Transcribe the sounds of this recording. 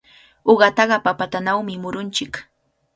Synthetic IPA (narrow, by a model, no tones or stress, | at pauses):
oɢɑt̪ɑɢɑpapat̪anawmɪmʊɾʊnt͡ʃɪk